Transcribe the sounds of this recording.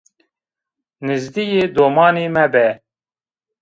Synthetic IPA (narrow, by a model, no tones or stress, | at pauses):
nɨzd̪ijeːd̪oːmɑːniːmɛbɛ